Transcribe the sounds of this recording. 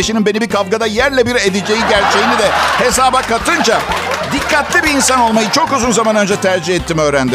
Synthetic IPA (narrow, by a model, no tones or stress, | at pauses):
eʃininbe̞nibikʰavɡad̪ajæɾlʲɛbiɾed̪ed͡ʒe̞jiɟæɾt͡ʃʰejinid̪ɛhe̞saːbakat̪ʰɯnd͡ʒad̪ikʰːat̪lʲibiːnsano̞lˠmajɯt͡ʃʰo̞kuzunzamanø̞nd͡ʒɛt̪ʰæɾd͡ʒihɛt̪ʰːimɛøːɾænd̪i